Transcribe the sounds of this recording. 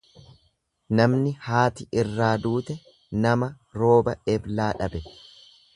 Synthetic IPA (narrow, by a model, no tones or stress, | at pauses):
nɐmnɪhaːt̪ɪʔɪrːaːd̪uːt̪ɛ | nɐmɐ | ɾo̞ːbɐɛblaːᶑɐbɛ